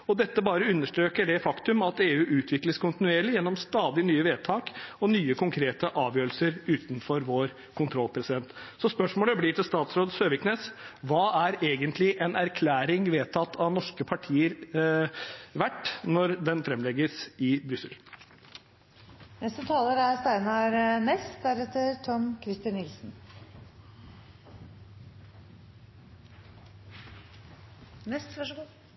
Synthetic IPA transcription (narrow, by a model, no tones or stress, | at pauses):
ɔd̪ɛt̪ːəbɑːɾəʉnːəʂʈɾøːkəɖɛfɑkt̪ʉmɑt̪eːʉːʔʉːt̪ʰʋɪkləskʰʊnt̪ɪnʉeːɭɪjɛnːɔmst̪ɑːd̪ɪnyːəʋeːd̪̚t̪ʰɑːkɔnyːəkʰʊŋkʰɾeːt̪əʔɑːʋjøːɾəl̩səɾʉːt̪nfɔɾʋoːɾ | kʰʊnt̪ʰɾɔlpʰɾɛsɪd̪ɛnt̪sɔspœʂmoːləbliːʈ̪ʰɪlst̪ɑːt̪sɾoːd̪søːʋɪkneːsʋɑːæɾeːɡənt̪lɪʔɛnæɾkʰlæːɾɪŋʋeːt̪ʰɑt̪ːʰɑʋnɔʂkəpʰɑʈʰiːəɾ | ʋæʈːnɔɾd̪ɛnfɾɛmlɛɡəsɪbɾʏsəl | nɛst̪ət̪ʰɑːləɾæɾst̪æɪnɑɾnɛst̪d̪æɾɛt̪ːəɾt̪ʰɔmkʰɾɪst̪ɪnːɪlsn̩ | nɛsʋɑʂ